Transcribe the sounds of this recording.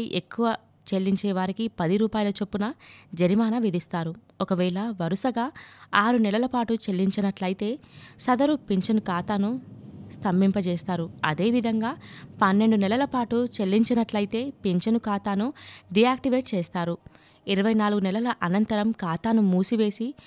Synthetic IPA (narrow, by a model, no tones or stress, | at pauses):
ʔekːuʋɐ | t͡ʃe̞lːiɲt͡ʃɛːʋaːɾikipɐd̪iɾuːpaːjɐlɐt͡ʃopːunɐd͡ʒɐɾimaːnɐʋid̪ʱist̪aːɾu | ɔkɐʋɛːɭɐʋɐɾusɐɡaːaːɾunɛlɐlɐpaːʈut͡ʃe̞lːiɲt͡ʃɐnɐʈlɐjit̪e̞ːsɐd̪ɐɾupeɲt͡ʃɐnukaːt̪aːnust̪ʰɐmbimpɐt͡ʃɛːst̪aːɾuɐd̪e̞ːʋid̪ʱɐŋɡaːpɐnːe̞ɳɖunɛlɐlɐpaːʈut͡ʃelːiɲt͡ʃɐnɐʈlɐjit̪e̞ːpeɲt͡ʃɐnukaːt̪aːnuɖijaːkʈiʋeːʈ̚t͡ʃɛːst̪aːɾu | iɾɐʋɐjnaːluɡunɛlɐlɐʔɐnɐnt̪ɐɾɐmkaːt̪aːnumuːsiʋe̞ːsi